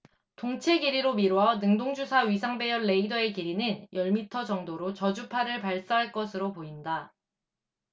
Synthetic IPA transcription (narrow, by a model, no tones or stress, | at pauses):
toŋt͡ɕʰe̞ɡiɾiɾomiɾoʌnɯŋdoŋd͡ʑusʰaɥis̬ʰaŋbe̞jʌnːe̞idʌe̞kiɾinɯnjʌɭmitʰʌd͡ʑʌŋdoɾot͡ɕʌd͡ʑupʰaɾɯɭpaɭs͈aɦaɭk͈ʌsʰɯɾopoinda